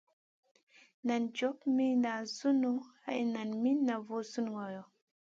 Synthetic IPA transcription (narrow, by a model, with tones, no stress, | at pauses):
na˨nd͡ʒo˨˦pmi˦na˨zu˦nu˦a̰˦˨ʔi˨na˨nmi˦na˨vo˦zu˦n˨wa˨jo˨